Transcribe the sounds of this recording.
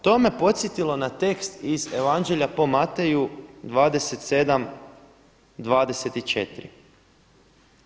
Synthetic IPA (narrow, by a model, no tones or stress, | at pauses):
t̪o̞me̞po̞t̪sjet̪ilo̞nat̪e̞kst̪ize̞ʋand͡ʒe̞ʎʲapo̞mat̪e̞jud̪ʋaːd̪e̞set̪se̞d̪am | d̪ʋaːd̪e̞set̪it͡ʃe̞t̪ɾi